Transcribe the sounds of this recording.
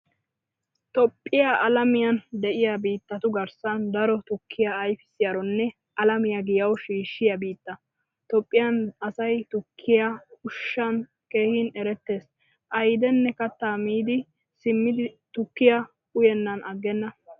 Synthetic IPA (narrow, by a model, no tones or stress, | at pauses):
t̪ɔpʼːɪjaʔɐlɐmɪjɐnd̪ɛʔɪjabiːt̪ːɐt̪ʊɡɐɾsɐnd̪ɐɾɔt̪ʊkʰːɪjaːjfɪ̥sɪjaɾɔnːɛ | ʔɐlɐmɪjaɡɪjɐwʃiːʃːɪjɐbiːt̪ːɐ | t̪ɔpʼːɪjɐnɐsɐjt̪ʊkʰːɪjakʊʃːɐn | ke̞ːhɪnɛɾɛt̪ːe̞ːs | ʔɐjd̪ɛnːɛkɐt̪ːaːmiːd̪ɪ | sɪmːɪd̪ɪt̪ʊkːɪjɐ | ʊjɛnːɐnʔɐɡːɛnːɐ